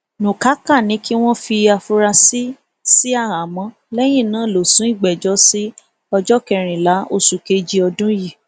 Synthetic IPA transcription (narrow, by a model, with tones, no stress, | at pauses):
nũ˨ka˨˦ka˦˨nĩ˨˦ki˦w̃ɔ̃˦fi˧a˧fu˧ɾa˧si˦ | si˦a˦˨ɾã˨mɔ̃˧˦ | lɛ˦j̃ĩ˦˨nãː˨˦˨lo˨sũ˨˦i˦˨ɡ͡bɛ˨d͡ʒɔ˨˦si˦ | ɔ˧d͡ʒɔ˦kɛ˧ɾ̃ĩ˨la˨˦o˧˨su˨ke˧d͡ʒi˧˦ɔ˧dũ˦ji˦˨